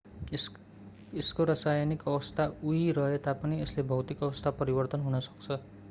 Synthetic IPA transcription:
eskoɾʌsajanikʌbʌst̪ʰauiɾʌɦet̪apʌnieslebʱʌwt̪ikʌʌst̪ʰapʌɾibʌrt̪ʌnɦunʌsʌ̥k̚t͡sʰʌ

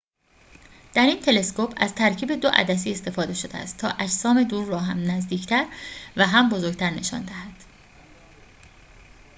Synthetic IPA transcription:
d̪̥æɾiːnt̪ʰe̞le̞skopʰæzt̪ʰæɾcʰiːbe̞d̪o̞ʔæ̰d̪æs̬iːe̞st̪e̞fɒːd̪e̞ʃo̞d̪eæ̰st̪ʰːɒ̰ːʔæd͡ʒsɒːme̞d̪uːɾːɒːɦæmnæzd̪iːcʰt̪ʰæɾvæɦæmbo̞zoɾɡɟ̚t̪ʰæɾneʃɒ̰ːnd̪æɦæd̪̥

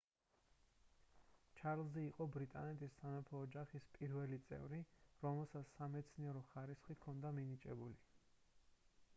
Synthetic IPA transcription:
t͡ʃʰaɾlˠzɛiqʼɔbɾit̪ʼanɛt̪ʰʼisːanɛpʰɔːd͡ʒaχispʼiɾvɛlit̪sʼɛ̰vɾiɾɔmɛlˠsat̪ssamɛt̪sʰniɛɾɔχaɾisχikʰɔnd̪aminit͡ʃʼɛbuli

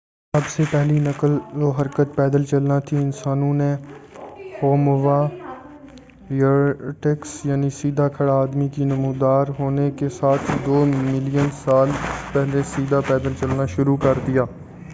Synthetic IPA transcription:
ɐbsepɛɦlinəkəld͡ʒoɦɐɾkət̪pɛːd̪əlt͡ʃəlnat̪ʰiɪnsaːnõne | hoːmʋaː | əʈeksjaːnisiːd̪ʱakʰɐɽaːd̪mikinɐmuːd̪aːɾɦoːnekesaːt̪ʰd̪oːmɪlijənsaːlpɛɦlesiːd̪ʱapɛːd̪əlt͡ʃəlnaʃʊɾukəɾd̪ijaː

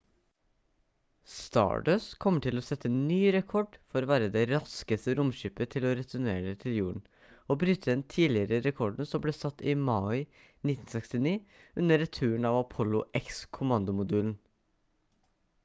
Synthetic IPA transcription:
st̪ɑ̰ːɖøːskʰɔmːəʈʰɪlɔsɛt̪ʰːənyːɾɛkʰɔɖfɔɾɔːʋæːɾəd̪ɛɾɑskəst̪əɾʊmʃyːpət̪ʰɪlɔɾɛt̪ʰʉɳḛːɖət̪ʰɪljuːɳ | obɾʉːt̪ʰəd̪ɛnt̪ʰiːlɪəɾəɾɛkʰɔɖɳ̩sɔmbleːsɑt̪ːɪmɑɪ | nɪt̪ːn̩sɛkst̪ɪniːʉnːəɖɛt̪ʰʉːəɳɑʋɑpʰɔlʊʔɛkskʰʊmɑnd̪ʊmʊd̪ʉːlən̩

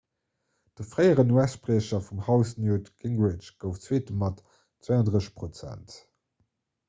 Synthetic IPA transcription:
d̥əfʁɜɪəʁənuæspʁeːɕɐfumhɑʊsnjuːtɡ̥ɪŋɡʁɪt͡ʃɡ̥əʊft͡sweːtəmɑt | t͡sweːɑndʁəpʁot͡sæ̰nt

